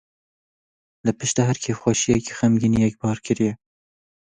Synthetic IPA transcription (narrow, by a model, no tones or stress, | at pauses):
lɨpɨʃt̪ɑɦæɾkʰeːfxʷɑʃijɛki̥xæmɡinijɛk̚bɑːɾkʰɨɾijɛ